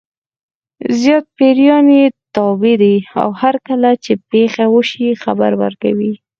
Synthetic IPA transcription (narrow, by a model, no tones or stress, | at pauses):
zjɑt̪̚peɾjɑnet̪ɑbid̪ia̰whaɾkəlat͡ʃepexawəʃixaba̰ɾwa̰ɾka̰wi